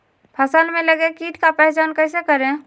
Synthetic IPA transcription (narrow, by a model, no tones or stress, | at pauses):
pʰəsənmeləɡekiʈʰkapɛɦt͡ʃankəjsekəɾẽ